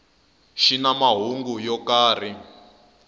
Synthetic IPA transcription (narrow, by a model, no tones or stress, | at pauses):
ʃinamaɦuŋɡujɔkaːr̤i